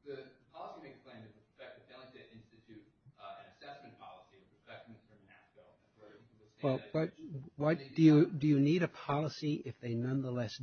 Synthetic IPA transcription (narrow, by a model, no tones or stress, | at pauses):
ðɨðəpʰɑlˠəsiɪɨksplẽɪ̃mðɨt̚əpʰfɛk̚ɨfɛlˠɨ̃ŋtɨɾɪ̃nstɨtʰʉɾɨ̃nɨsɛsmɨ̃n̩pʰɑlˠəsiə˞pʰə˞fɛk̚mɨ̃nsə̃mæsbɛlˠ | wɛlˠwʌt̚wʌtd̥ɨjɨdɨjɨniɾɨpʰɑlˠəsiɪfðeɪnʌ̃nðəlɛs